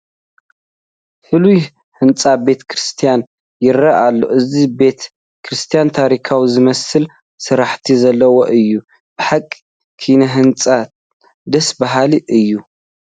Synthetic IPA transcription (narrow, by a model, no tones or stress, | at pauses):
fɨluj | hɨnt͡sʼabe̞t̪ʰkʰɾɨst̪ʰijan | jɪrːaʔalːo̞̰ʔɨzibe̞t̪ | kʰɾɨst̪ʰijant̪ʰaɾikʰawizɨmɐsɨl | sɨɾaħt̪ʰizɐlːɐwoʔɨjːu | b̥ɨħakʼi̥ | kʰinɐɦɨnt͡sʼa | d̪ɐsbaɦaliʔɨjːu